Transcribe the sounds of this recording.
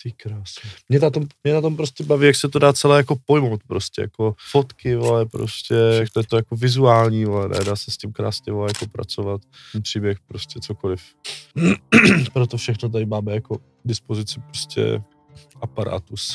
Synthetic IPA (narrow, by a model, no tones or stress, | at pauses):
t̪ikɾaːsnɛmɲɛnat̪ommɲɛnat̪o̞mpɾoscʲɛbaviːjaksɛt̪odaːt͡sɛlɛːjako̞po̞jmo̞wt̪̚pɾoscʲɛ̰ja̰kofot̪kɪvolɛpɾo̰scɛjakt̪ojɛt̪ojakovɪzuaːlɲiːvolɛnɛ̰daːsɛscimkɾa̰ːsɲɛvolɛjakopɾa̰t͡sovat̪ | pr̝̥iːbjɛxpɾoscʲɛt͡sokolɪf̩ | pɾot̪ofʃɛxnot̪̬aɪmaːmɛjako | ɡdɪspozɪt͡sɪpɾoscʰɛ̰ | ʔapaɾa̰ːt̪us